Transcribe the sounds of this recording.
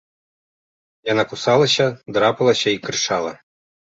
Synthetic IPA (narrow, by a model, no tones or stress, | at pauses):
janakusalˠɐɕʲɐd̪ɾapɐlˠɐɕʲɐikrɨʂalˠɐ̰